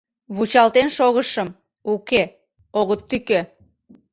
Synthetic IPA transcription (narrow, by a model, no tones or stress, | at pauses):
βut͡ɕɑlt̪enʃoɣəʃəm | uke | oɣət̪ːykø